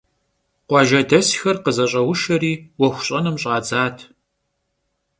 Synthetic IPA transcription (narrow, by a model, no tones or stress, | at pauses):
qʷɑʒɐdɐsxɐrqəzɐɕʼɐwʊʃɐɾiːwɔxʷʊɕʼɐnɨmɕʼaːd͡zaːtʰ